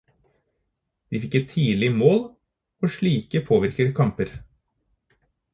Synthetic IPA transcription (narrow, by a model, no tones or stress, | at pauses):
d̪̥iːfɪkːət̪ʰiːlɪmoːl | oʃɭiːkəpʰoːʋɪɾkəɾkʰɑmpəɾ